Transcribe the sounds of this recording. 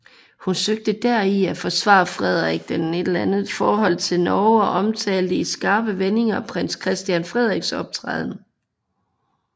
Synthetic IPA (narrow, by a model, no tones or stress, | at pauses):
hunsøɡ̥̚d̥əd̥æɐiæfɒ̽sʋɑ̰̈ːfʁɛð̞̰ˠʁɛɡ̥̚d̥ene̝d̥lænð̩ˠfɒːɦɒ̽l̰t͡sʰe̝lnɒʊɒʔɒ̽mt͡sʰɛ̰ːld̥əisɡ̥ɑ̈ːb̥əʋene̝ŋɐpʰʁen̰skʰʁɛsd̥jænfʁɛð̞̰ˠʁeɡ̥sɒ̽b̥̚t͡sʰʁaðˠn̩